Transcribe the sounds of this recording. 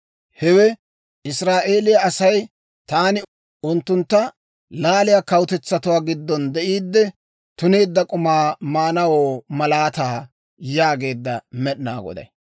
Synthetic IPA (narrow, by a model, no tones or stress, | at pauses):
hɛwɛ | ʔɪsɾaːʔe̞ːlɪjɐɐsɐj | t̪aːnɪ | ʔʊnt̪ːʊnt̪ːɐ | laːlɪjakɐwʊt̪ɛt͡sːɐt̪ʊwaːɡɪd̪ːɔnd̪ɛʔiːd̪ːɛ | t̪ʊne̞ːd̪ːɐkʼʊmaːmaːnɐwoːmɐlaːt̪aː | jaːɡe̞ːd̪ːɐmɛɗna̰ːɡɔ̰d̪ɐ̰j